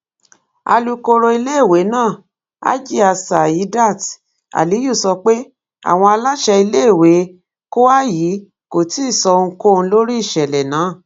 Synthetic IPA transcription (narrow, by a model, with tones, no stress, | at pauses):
a̰˧lu˧ko˧ɾo˧i˧le˦e˦˨we˨˦nãː˦˨ | a̰˦d͡ʒi˦a˧sa˨ji˨˦da˦˨t | a̰˨li˨˦ju˦˨sɔ˧k͡pe˦ | a̰˦˨w̃ɔ̃˧a˧la˦ʃɛ˧i˧le˦˨we˨˦ | ko˦wa˦ji˨˦ | ko˨ti˦˨sɔ˧ŋ̩˧ko˦˧n̩˧lo˦ɾi˦i˦˨ʃɛ˨lɛ˨nãː˨˦˨